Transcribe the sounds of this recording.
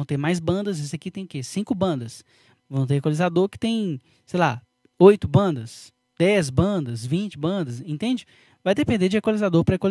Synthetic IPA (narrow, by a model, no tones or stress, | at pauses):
w̃t̪eɾmajzbɐ̃nd̪ɐzes̬ɪɐkit̪ẽj̃ʊkesĩkʊbɐ̃nd̪ɐs | vɐ̃w̃t̪eɾekalizad̪oɾkɪ̥t̪ẽj̃ | sejla | ojt̪ʊbɐ̃nd̪ɐs | d̪̥ɛzbɐ̃d̪ɐsvĩt͡ʃɪbɐ̃d̪ɐsẽnt̪ẽnd͡ʒɪ | vajd̪epẽd̪eɾd͡ʒɪekwolizad̪oɾpɾɐekol